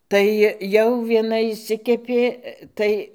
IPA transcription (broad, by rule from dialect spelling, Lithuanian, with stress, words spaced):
ˈtɐɪ jɛʊ ʋʲiɛˈnɐ ɪʃʲˈsʲɪkʲɛpʲeː ˈtɐɪ